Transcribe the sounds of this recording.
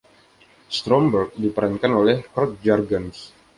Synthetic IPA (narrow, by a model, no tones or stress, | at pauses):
st̪ɾɔmbərk̚dipəɾankanolɛhkɔk̚d͡ʒarɡans